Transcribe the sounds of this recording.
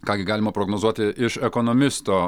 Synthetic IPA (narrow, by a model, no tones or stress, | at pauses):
kɑːɡʲɪɡɑːlʲɪmɐpɾoɡnozuɔt̪ʲɪʔɪʃɛkonɔmʲɪsst̪oː